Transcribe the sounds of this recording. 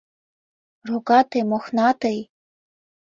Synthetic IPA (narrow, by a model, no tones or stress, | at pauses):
roɡɑt̪emoxnɑt̪ej